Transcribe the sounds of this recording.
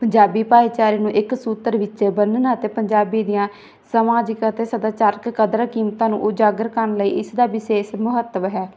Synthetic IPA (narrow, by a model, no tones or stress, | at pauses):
pəɲd͡ʒaːbiːpaːjt͡ʃaːɾiːnũːʔɪksuːt̪əɾʋɪt͡ʃʃeːbənnaət̪eːpəɲd͡ʒaːbiːd̪ijãː | səmaːd͡ʒɪkət̪eːsəd̪aːt͡ʃaːɾkːəd̪ɾaːkiːmt̪ãːnṵ̃ːʔod͡ʒaːɡəɾkəɾɳləiːʔɪsd̪aːbɪʃeːʃmʊɦət̪ːəmɦɛː